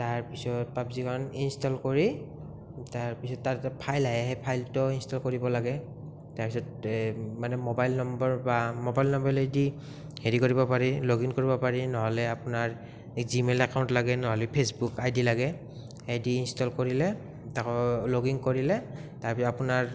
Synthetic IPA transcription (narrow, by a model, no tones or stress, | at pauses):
taɹpisɔt̚papzikaɹɔninstɔlkoɹi | taɹpisɔtːatɛtapʰajlaɦɛɦejpʰajltɔinstɔlkoɹibɔlaɡɛ | taɹpisɔtmanɛmobajlnɔmbɔɹbamobajlnɔmbɔɹledi | heɹikoɹibɔpaɹiloɡiŋkoɹibɔpaɹinɔɦɔlɛapʊnaɹ | kzimelakaw̃ntlaɡɛnɔɦɔlɛpʰesbukajdilaɡɛ | hejdiːnstɔlkoɹilɛ | takɔloɡiŋkoɹilɛtaɹpisɔapunaɹ